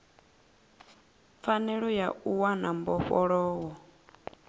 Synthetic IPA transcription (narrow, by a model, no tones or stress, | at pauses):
fanɛɺɔjauwanambɔɸɔɺɔːwɔ